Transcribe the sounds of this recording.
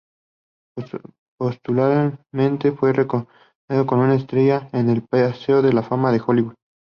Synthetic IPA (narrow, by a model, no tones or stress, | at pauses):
post̪ulaɾmẽ̞nt̪e̞fwe̞reko | neðoko̞nunaest̪ɾe̞ʝaene̞lpaseoðe̞lafamaðe̞xo̞liβuð